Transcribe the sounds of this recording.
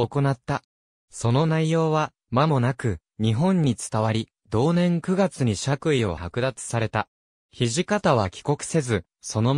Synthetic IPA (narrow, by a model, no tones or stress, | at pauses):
oko̞nat̪ːa | so̞no̞naijo̞ːβa | mamo̞nakɯ̟ | ɲ̟iɦõ̞ɲ̟ːit͡sɨ̥t̪aβaɾʲi | d̪o̞ːnẽ̞ŋkɯ̟ɡat͡sɨɲ̟iɕakɯ̟io̞̰hakɯ̟d̪at͡sɨ̥saɾe̞t̪a | çiʑikat̪aβ̞akʲi̥ko̞kɯ̟̥se̞zɨ | so̞no̞